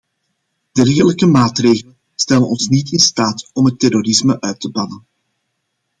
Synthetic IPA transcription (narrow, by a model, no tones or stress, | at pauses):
d̥ɛrɣələkəmaːtreːɣələnstɛlənɔnsnitɪnstaːtɔmɦətːɛrorɪsməʔœɥtəbɑnən